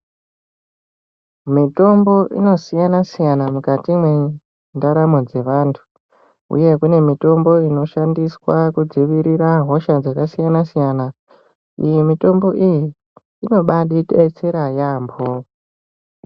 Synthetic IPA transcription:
mito̞mbo̞ʔḭno̞sijanasijanamukatimwe | ndaɾamod͡ze̞ʋaːntʰu̥ | ṵje̞kune̞mito̞mbo̞ino̞ʃandiswakud͡ziʋiɾiraɦo̞ʃad͡zakasijanasijana | ijimito̞mbo̞ʔijiː | no̞ɓaɗitet͡seɾajaːmbo

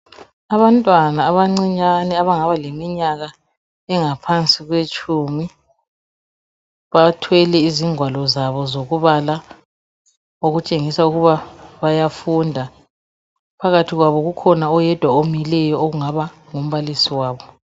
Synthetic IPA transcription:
aβantʼwanaːβaŋ͡ǀiɲanɛaβaŋaβalemiɲaɣa | ɛŋapʰant͡sʼiɣwet͡ʃʼumi | βatʰwɛlɛiziŋʱwalɔzaβɔzoɣuβala | oɣut͡ʃʼeŋisauɣuβaβajafundʱa | pʰaɣatʰiɣwaβɔɣukʰɔnaɔjɛd̥ʱwaomilɛjɔoɣuŋaβa | ŋum̩βalisiwaːβɔ

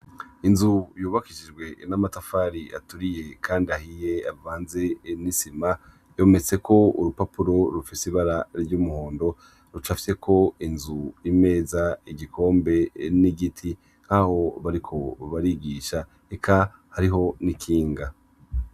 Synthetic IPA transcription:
inzujuːβakiʃid͡ʒɡwe̞namatafaːɾia̰tuɾije̞kʰaːndiahije̞avvaːnze̞nisima | jo̞ːme̞t͡se̞kʰo̞uɾupapuɾo̞ɾufisiβaɾaɾɟumuhoːndo̞ | ɾut͡ʃafi̥se̞kʰo̞inzujime̞ːzaiɡikʰo̞ːmbe̞niɡitʰi | n̥haho̞βaɾikʰo̞βaɾiɡiːʃa | ekʰahaɾiɦo̞nikʰiːŋɡa

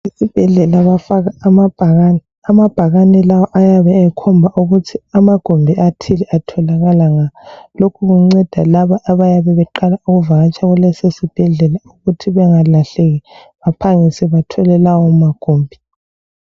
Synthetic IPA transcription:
isib̥ʱɛɮɛlaβafaɣaːmab̥ʱaɣanɛ | amab̥ʱaɣanɛlawɔʔajaβɛːkʰɔmbʱaʔuɣutʰiamaɡ̥ʱombʱiatʰilɛʔatʰɔlaɣalaŋalokʰuɣuŋ͡ǀɛd̥ʱa̰laβaʔːβajaβɛβɛǃalauɣuvaɣat͡ʃʼaɣulesesib̥ʱɛɮɛlauɣutʰiβɛŋalaɬeɣi | βapʰaŋisɛβatʰɔlɛlawɔmaɡ̥ʱoːmbʱi

